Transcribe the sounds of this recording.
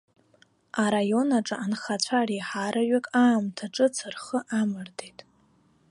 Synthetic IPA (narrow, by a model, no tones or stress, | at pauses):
aɾajo̞naʈ͡ʂʼɨʔanχat͡ɕʷʰariħaɾaɥakʼaːmtʰaʈ͡ʂʼɨt͡sʰɨrχəʔamɨrdejtʼ